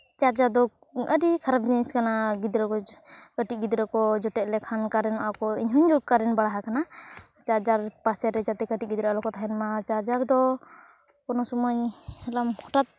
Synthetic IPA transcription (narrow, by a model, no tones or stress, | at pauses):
t͡ʃaɾd͡ʒaɾd̪ɔ | əɖikʰaɾab̚d͡ʒiniskanaɡid̪ɾɔkɔkəʈiɡid̪ɾɔkɔd͡ʒɔʈɛʔlɛkʰankaɾɛnɔʔakɔiɲɦuɲd͡ʒɔɡ̚kaɾɛnbaɽaɦakana | t͡ʃaɾd͡ʒaɾpasɛɾɛd͡ʒat̪ɛkəʈiʔ̚ˀɡid̪ɾɛlɔkɔt̪aɦɛnmat͡ʃaɾd͡ʒaɾd̪ɔ | kɔnɔsumajhɛlamhɔʈat̪̚